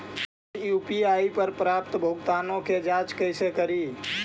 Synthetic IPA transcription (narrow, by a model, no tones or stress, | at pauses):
jupiaipəɾpɾapt̪bʱoɡt̪anõked͡ʒat͡ʃkəɪsekəɾi